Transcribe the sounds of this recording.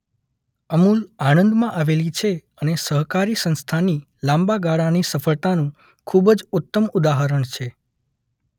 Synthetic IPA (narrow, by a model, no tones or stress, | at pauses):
əmulanə̃nd̪mãʔaʋelit͡ʃʰeənesəɦkaɾisə̃nst̪ʰani | lãmbaɡaɭanisəfəɭt̪anũ | kʰubəd͡ʒut̪ːəmud̪aɦəɾəɳt͡ʃʰe